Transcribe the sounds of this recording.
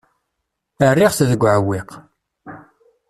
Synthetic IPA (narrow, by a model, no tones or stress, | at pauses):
ərːiʁθðəɡʷːʕəwːɪq